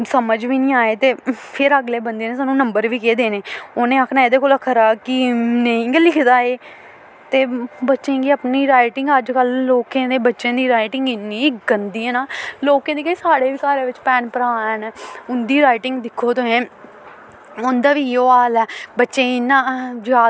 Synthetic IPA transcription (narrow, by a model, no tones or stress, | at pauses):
səməd͡ʒʋiːnĩːaːeːt̪eːpʰɪɾəɡleːbənd̪eːnẽːsaːnũːnəmbəɾʋiːkeːd̪eːneːonẽːaːkʰnaːeːd̪eːkoːləkʰəɾaːkɪnẽĩːɡlɪkʰd̪aːeː | t̪eːbətːʃẽːɡiːəpniːɾaːɪʈɪŋɡəd͡ʒkəlːoːkẽːd̪eːbətːʃẽːd̪iːɾaːɪʈɪŋɡɪnːĩːɪɡənd̪iːɛːnaːloːkẽːd̪iːkəĩːsaːɽeːʋiːkaːɾeːʋɪt͡ʃpɛːnpəɾaːɛːnʊnd̪iːɾaːɪʈɪŋɡd̪ɪkʰːoːt̪õẽː | ʊnd̪aːʋiːoːaːlɛːbətːʃẽːɪnãːd͡ʒaː